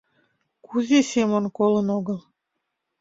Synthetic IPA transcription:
kuzʲesʲemonkolə̆noɣə̆lˠ

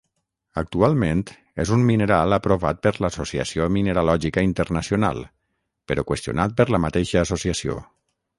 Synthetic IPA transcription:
ək̚t̪ualˠment̪ | ezumminəɾalˠəpɾoβat̪̚pəɾləsosiə̰siomineɾalɔʒikəint̪əɾnəsiona̰lˠ | pəɾɔkwəst̪iṵnat̪̚pəɾləmət̪eʃəːsosiəsio̰

